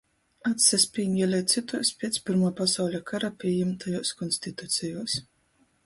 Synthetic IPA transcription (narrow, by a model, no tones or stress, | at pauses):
at̪sɛsʲpʲiɲiɛlʲɛjt̪sit̪uɔspʲiɛt̪sʲpʲiɾmaːpasawlʲakʰaɾapʲiɛjɛmt̪ʰajuːskɔnsʲt̪it̪ut̪sʲɛjuːs